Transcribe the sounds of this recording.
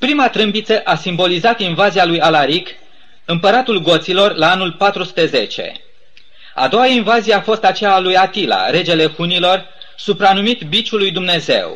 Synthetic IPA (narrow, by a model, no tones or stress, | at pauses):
pɾimat̪ɾɨmbit̪səʔasimbo̞lizat̪invazialujalaɾik | ɨmpəɾat̪ulɡo̞t̪silo̞rlaanulpat̪ɾusu̥t̪e̞ze̞t͡ʃe̞̰ | a̰d̪o̞wainvazijeafo̞st̪at͡ʃejaːlujat̪ila̰ɾe̞d͡ʒe̞le̞hunilo̞r | supɾanumit̪bit͡ʃulːujd̪umne̞ze̞̰w